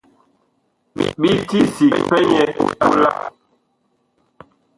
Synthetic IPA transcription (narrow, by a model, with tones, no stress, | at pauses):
ɓi˦ti˦si˨k̚pɛ˦ɲɛ˨ta˦la̰˦